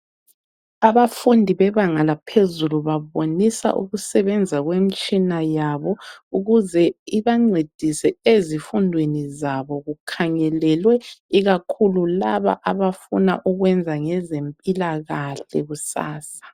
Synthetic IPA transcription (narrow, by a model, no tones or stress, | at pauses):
aβafundʱiβɛβaŋalapʰezuluβaβonisa̰ʔṵɣusɛβɛnd͡zʱaɣwemit͡ʃʼinajaβɔuɣuzɛiβaŋ͡ǀed̥ʱisɛezifundʱwenizaβɔɣukʰaŋɛlɛlwɛiɣakʰululaβa̰ʔaβafṵna̰ʔuɣwɛnd͡zʱaŋɛzempʼilaɣaɬɛ̰ɣusa̰ːsḁ